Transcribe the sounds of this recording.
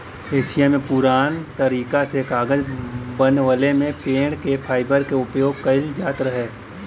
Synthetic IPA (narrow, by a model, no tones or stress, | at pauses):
eːʃɪjamẽpʊɾaːnt̪əɾiːkasekaːɡəd͡ʒbənʋəlemẽpẽːɽkepʰaːɪbəɾkeʊpjoːɡ̚kəɪld͡ʒaːt̪ɾəɦeː